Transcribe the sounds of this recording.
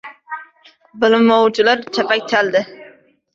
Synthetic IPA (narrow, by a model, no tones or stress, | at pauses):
bɪlɪmːowt͡ʃʰɪlaɾt͡ʃʰapak̚ʲt̪ʰald̪ɪ